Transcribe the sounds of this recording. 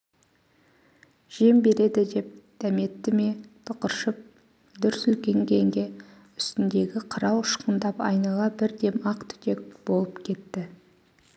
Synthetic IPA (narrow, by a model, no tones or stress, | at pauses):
ʒ̥e̞mbe̞ɾe̞d̪ɪd̪e̞p̚d̪̥æme̞t̪ːɪme̞t̪ʰʊqəɾʃəp̚ | d̪ʏɾsʏlkʲe̞ŋkʲʰe̞ŋɡʲe̞ | ʏ̥st̪ɪnd̪e̞ɡʲɪqʰəɾɑwəʃqənd̪ɑpɑ̰jnɑlˠɑbɪɾd̪e̞mɑqt̪ʰʏ̥t̪ʰe̞k̚b̥o̞lˠəpkʲʰe̞t̪ːɪ